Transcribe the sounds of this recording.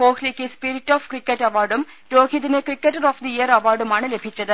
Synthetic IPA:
hoːklikːispiɾiʈːɔːfkɾikːeʈːɐʋaːɾɖum | ɾoːkid̪inekɾikːeʈːɐɾɔːfd̪iijɐɾɐʋaːɾɖumaːnɨlebʱit͡ʃːɐd̪ɨ

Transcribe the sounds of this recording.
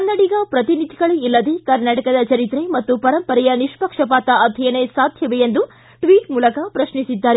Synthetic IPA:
kɐnːɐɽiɡɐpɾɐt̪inid̪ʱiɡɐɭeilːɐd̪ekɐɾnaːʈɐkɐd̪ɐt͡ʃɐɾit̪ɾemɐt̪ːupɐɾɐmpɐɾɛjɐniʂpɐkʂɐpaːt̪ɐʔɐd̪ʱɐjɐnesaːd̪ʱjɐʋeend̪u | ʈʋiːʈmuːlɐkɐpɾɐʃnisid̪ːaːɾe

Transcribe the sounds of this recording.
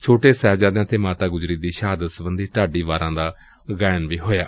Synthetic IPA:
t͡ʃʰoːʈeːsɛːʋd͡ʒaːd̪ãːt̪eːmaːt̪aːɡʊzɾiːd̪iːʃɦaːd̪əsbənd̪iːʈaːɖiːʋaːɾãːd̪aː | ɡɛːnʋiːɦoːja̰ː

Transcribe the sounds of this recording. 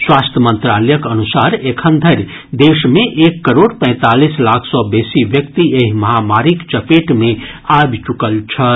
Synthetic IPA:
swast̪ʰjəmə̃nt̪ɾaləjəkənusaɾekʰənd̪ʱəɾ | d̪esmẽʔekːəɾoɽpə̃ɪ̃t̪alislakʰsɔbesibjəkt̪ieɦiməɦamaɾikt͡ʃəpeʈmeabt͡ʃukəlt͡ʃʰə

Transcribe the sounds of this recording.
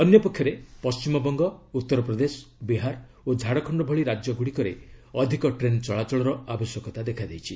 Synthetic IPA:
ɔnjɔpɔkʰjɔɾepɔst͡ʃimɔbɔŋɡɔut̪ːɔɾɔpɾɔd̪esɔ̥biɦaɾ | od͡ʒʱaɽɔkʰɔɳɖɔbʱɔɭiɾad͡ʒjɔɡuɽikɔɾḛɔd̪ʱikɔʈɾent͡ʃɔɭat͡ʃɔɭɔɾɔabɔsjɔkɔt̪ad̪ekʰad̪ejt͡ʃʰi

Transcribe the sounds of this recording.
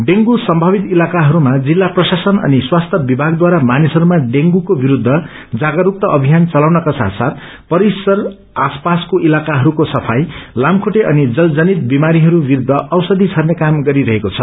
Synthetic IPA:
ɖeŋɡusʌmbʱʌbit̪ilakaɦʌɾumad͡zilːaprʌsasʌnʌ̰niswast̪ʰʌbibʱaɡd̪waɾamanisʌɾumaɖeŋɡukobiɾud̪ʱːʌ | d͡zaɡʌɾuk̚t̪ʌʔʌbʱijant͡sʌlawnʌkasa̰t̪ʰsat̪ | pʌɾisʌr | aspaskoʔilakaɦʌɾukosʌpʰajlamkʰuʈeʔʌnid͡zʌld͡zʌnit̪̚bimaɾiɦʌɾubiɾud̪ʱːʌʔʌwsʌd̪ʱit͡sʰʌrnekamɡʌɾiɾʌɦekot͡sʰʌ

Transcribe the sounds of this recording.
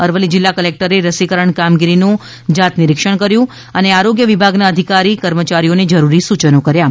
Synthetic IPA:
əɾʋəlid͡ʒɪlːakəlek̚ʈəɾeɾəsikəɾəɳkamɡiɾinũ | d͡ʒat̪nɪɾɪkʃəɳ̃kəɾjũ | əneaɾoɡjəʋibʱaɡnaəd̪ʱikaɾikəɾmət͡ʃaɾioned͡ʒəɾuɾisut͡ʃənokəɾja

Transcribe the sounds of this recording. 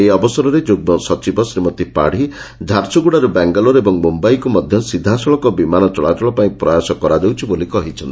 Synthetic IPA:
eɔbɔsɔɾɔɾed͡ʒoɡ̚mɔsɔt͡ʃibɔsɾimɔt̪ipa̰ɽ̤i | d͡ʒ̪ʱaɾsuɡuɽaɾubaŋɡɔlɔɾebɔŋmumbajkumɔd̪ʱjɔsid̪ʱːasɔɭɔkɔbimanɔt͡ʃɔɭa̰ʈɔɭɔpaĩpɾɔjasɔkɔɾad͡ʒewt͡ʃʰibolikɔɦit͡ʃʰɔnt̪i

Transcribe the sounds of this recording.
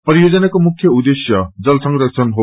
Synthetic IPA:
pɐɾiezɐnɐkomukʰːjɐud̪esjɐd͡ʒɐlsʰɐŋɾɐk̚sʰɐnɦo

